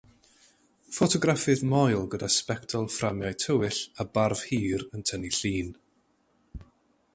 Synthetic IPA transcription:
fotʰɔɡrafɨðmɔjlˠɡədaspɛktʰɔlˠframjajtʰəwɪɬabarv̥hiːɾəntʰəniɬiːn

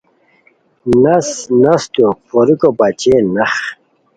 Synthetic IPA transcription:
nɐsnɐst̪upʰoɾikobɐt͡ɕenɐχ

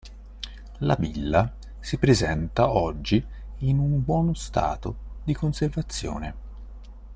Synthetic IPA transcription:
la̰vilːa | sipɾezɛnt̪aɔd͡ʒːiː | numbwɔːnost̪a̰ːt̪od̪ikonservat̪sːjo̰ːne

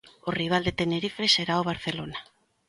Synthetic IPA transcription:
oriβ̞ald̪et̪eneɾifeseɾaoβ̞aɾθelona

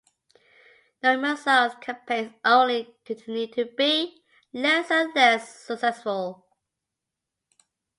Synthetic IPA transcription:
noʊməsɛzkʰə̃mpʰẽzʔõʊ̃nlikʰətʰnjʉd̚tʰəbi | lɛsə̃nlɛsːəksɛsfəlˠ

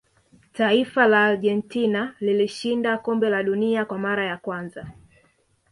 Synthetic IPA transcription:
taifalaːlʄɛntinaliliʃindakɔmbɛlaɗuniakwamaɾajakwanza

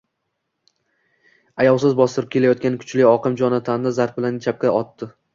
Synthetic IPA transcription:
ajɒwˠsɪzbɒsɪɾɪp̚kʲʰe̞lajɒt̪̚kʲankʲʰʊ̥t͡ʃʰlɪɒqʰɨmd͡ʒɒnat̪ʰand̪ɪzaɾfbɪlant͡ʃʰap̚kʲaɒt̪ːɪ

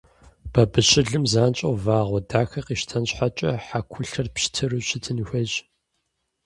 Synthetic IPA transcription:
b̥ɐbɨɕɪɮɨmzaːnt͡ʃʼɐwvaːʁʷɔdaːxɐqiːʃtʰɐnɕħat͡ʃʼɐħakʷʰʊɬɐrpɕtʰɨrɨɕɪtʰɨnxʷɐʑ

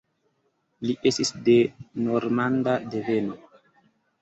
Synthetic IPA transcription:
liʔe̞stisde̞no̞ɾmandadeve̞no

